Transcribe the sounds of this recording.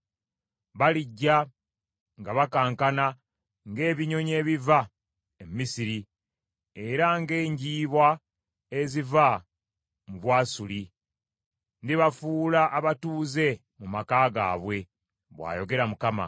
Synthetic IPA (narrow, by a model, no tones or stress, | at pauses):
βaliɟːa | ŋɡaβakaːŋkana | ŋɡe̞ːβiɲo̞ɲe̞ːβiva | emmisiɾi | e̞ɾaŋɡe̞ːɲɟiːβwa | eziva | muβwaːsuli | ndiβafuːlaʔːβatuːze̞ | mumakaːɡa̰ːβwe̞ | βwa̰ːjo̞ɡe̞ɾamukama̰